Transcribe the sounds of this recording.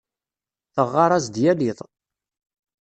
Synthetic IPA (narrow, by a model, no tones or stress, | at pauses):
θəʁːɑɾˤɑzd̪jæliðˤ